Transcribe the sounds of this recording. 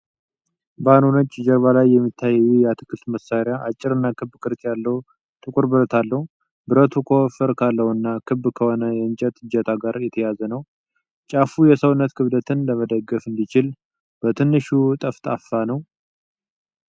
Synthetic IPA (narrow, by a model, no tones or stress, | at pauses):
bəanonət͡ʃʼːd͡ʒəɾβalajːɛmːit̪ʰːajɛːujɛat̪ʰɨ̥kʰːɨlt̪məsaɾɪjaʔat͡ʃʼːɪɾɨnːakʰɨbkʰɨɾt̪ʰjalːəhu | t̪ʰɨkʼuɾbɨɾət̪ʰalːəhu | bɨɾət̪ʰukʰofɨɾkʰalːəhɨnːakʰɨbkʰəho̞nəjɛɨnt͡ʃʼɛt̪ʰʼɨd͡ʒɛt̪ʰaɡaɾjɛt̪ʰəjazənəw | t͡ʃʼafujɛsəwnːət̪kʰɨβd̪ət̪ʰɨnləməd̪əɡːəfɨnd̪it͡ʃɪl | b̥ət̪ʰɨnːɨʃut̪ʼəft̪ʼa̰fːanəw